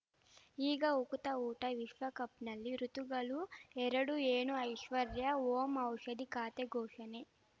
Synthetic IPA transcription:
iːɡɐukut̪ɐuːʈɐʋiʃʋɐkɐpnɐlːiɾut̪uɡɐluɛɾɐɽueːɳuɐjʃʋɐɾjɐoːmɐwʂɐd̪ikaːt̪eɡɔːʂɐne

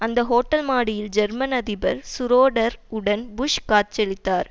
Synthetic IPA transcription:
ɐnd̪ɐɦoːʈːɐlmaːɽɪjɪld͡ʒɛɾmɐnɐðɪbɐɾsʊɾoːɽɐɾɯɽɐnbʊʂkaːt͡ʃɛlɪt̪ːaːɾ

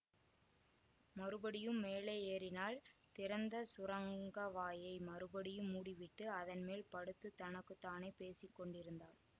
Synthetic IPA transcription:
mɐɾɯbɐɽɪjɯmːeːlɐeːɾɪnaːlt̪ɪɾɐnd̪ɐsʊɾɐŋɡɐʋaːjɐɪmɐɾɯbɐɽɪjɯmːuːɽɪʋɪʈːɯɐðɐnmeːlpɐɽɯt̪ːɯt̪ɐnɐkːɯt̪ːaːneːpeːsɪkːɔɳɖɪɾɯnd̪aːɭ

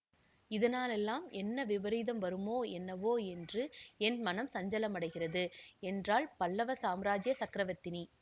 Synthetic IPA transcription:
ɪðɐnaːlɛlːaːmɛnːɐʋɪʋɐɾiːðɐmʋɐɾɯmoːɛnːɐʋoːɛndrɯɛnmɐnɐmsɐɲd͡ʒɐlɐmɐɽɐɪɣɪrɐðɯɛndraːlpɐlːɐʋɐsaːmɾaːd͡ʒɪjɐsɐkɪɾɐʋɐt̪ːɪni

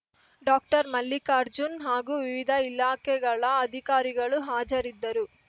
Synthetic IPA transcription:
ɖaːk̚ʈɐɾmɐlːikaːɾd͡ʒunɦaːɡuʋiʋid̪ʱɐilaːkɛɡɐɭɐːd̪ʱikaːɾiɡɐɭuɦaːd͡ʒɐɾid̪ːɐɾu

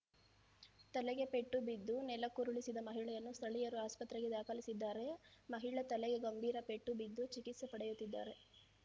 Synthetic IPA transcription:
t̪ɐleɡe̞pe̞ʈːubid̪ːunɛlɐkuɾuɭisid̪ɐmɐɦiɭɛjɐnːust̪ʰɐɭijɐɾuaːspɐt̪ːɾeɡe̞d̪aːkɐlisid̪ːaːɾe̞mɐɦiɭɐt̪ɐleɡe̞ɡɐmbʱiːɾɐpe̞ʈːubid̪ːut͡ʃikit̪sɐpɐɽejut̪ːid̪ːa̰ːɾe̞

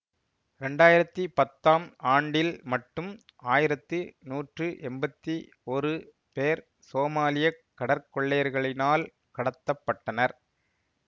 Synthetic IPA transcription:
ɾɛɳɖaːjɪɾɐt̪ːɯpɐt̪ːaːmaːɳɖɪlmɐʈːɯm | aːjɪɾɐt̪ːɯnuːʈrɯʔɛmbɐt̪ːi | ɔɾɯ | peːɾ | soːmaːlɪjɐkːɐɽɐɾkɔɭːejɐɾɣɐɭɪnaːl | kɐɽɐt̪ːɐpːɐʈːɐnɐɾ

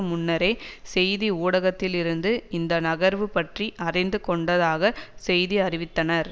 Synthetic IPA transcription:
mʊnːɐɾɐɪsɛjðiuːɽɐɣɐt̪ːɪlɪɾɯnd̪ɯɪnd̪ɐnɐɣɐɾʋɯpɐʈriʔɐrɐɪnd̪ɯkɔɳɖɐðaːɣɐsɛjðiɐrɪʋɪt̪ːɐnɐɾ

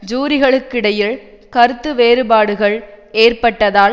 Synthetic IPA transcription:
d͡ʒuːɾɪɣɐɭɯkːɪɽɐjɪɭ | kɐɾɯt̪ːɯʋeːɾɯbaːɽɯɣɐɭeːrpɐʈːɐðaː

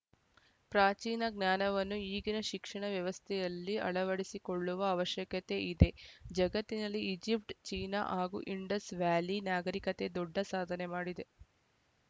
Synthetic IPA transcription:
pɾaːt͡ʃiːnɐɡnaːnɐʋɐnːuiːɡinɐʃikʂɐɳɐʋjɐʋɐst̪ʰɛjɐlːiɐ̰ɭɐʋɐɽisikoɭːuʋɐːʋɐʃjɐkɐt̪e̞ʔid̪e̞d͡ʒɐɡɐt̪ːinɐlːiid͡ʒipʈt͡ʃiːna̰ʔɦaːɡṵʔiɳɖɐsʋaːlinaːɡɐɾikɐt̪e̞d̪ɔɖːɐsaːd̪ʱɐnemaːɽid̪e̞

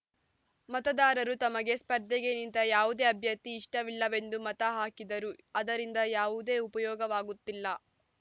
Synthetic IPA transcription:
mɐt̪ɐd̪aːɾɐɾut̪ɐmɐɡe̞spɐɾd̪ʱɐɡenint̪ɐjaːʋud̪eːɐbʱjɐt̪iːʂʈɐʋilːɐʋe̞nd̪umɐt̪ɐɦaːkid̪ɐɾuɐd̪ɐɾind̪ɐjaːʋud̪e̞ːupɐjɔːɡɐʋaːɡut̪ːilːɐ

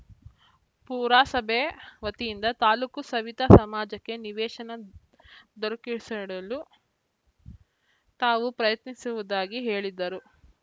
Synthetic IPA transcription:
puːɾaːsɐbʱeʋɐt̪ijind̪ɐt̪aːluːkusɐʋit̪ɐsɐmaːd͡ʒɐkːe̞niʋɛːʃɐnɐ | d̪ɔɾɐkiɭsɐɽɐlu | t̪aːʋupɾɐjɐt̪nisuʋud̪aːɡiɦe̞ːɭid̪ːɐɾu

